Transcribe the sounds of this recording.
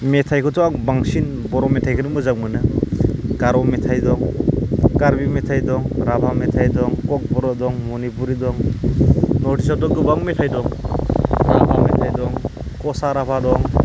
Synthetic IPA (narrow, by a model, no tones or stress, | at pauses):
metʰajkʰɯtʰɔaŋbaŋsin | bɔɾɔmetʰajkʰɯnɯmɯzaŋmɯnɯ | ɡ̥aɾɔmetʰajdɔŋ | kaɾbimetʰajdɔŋɾabʰʱametʰajdɔŋkɔk̚bɔɾɔdɔŋmɔnipuɾidɔŋ | nɔɾtʰis̬atɔɡɯbaŋmetʰajdɔŋ | ɾabʰʱametʰajdɔŋ | kɔsaɾapʰadɔŋ